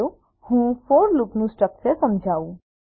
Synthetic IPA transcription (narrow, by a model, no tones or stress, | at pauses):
u | hũpʰoɾluknũsʈəksesəmd͡ʒʱaːũ